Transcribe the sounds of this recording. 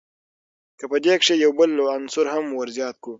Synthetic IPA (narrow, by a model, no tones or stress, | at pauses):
kəpəd̪ekʂejawbəlːoansʊɾhamwəɾzjɑːt̪̚ku